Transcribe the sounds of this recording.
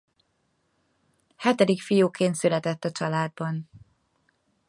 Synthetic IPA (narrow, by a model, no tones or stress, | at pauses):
hɛt̪ɛd̪ikfijuːkʰeːnt̪sylɛt̪ɛt̪ːɒt͡ʃɒlaːd̪̚bɒn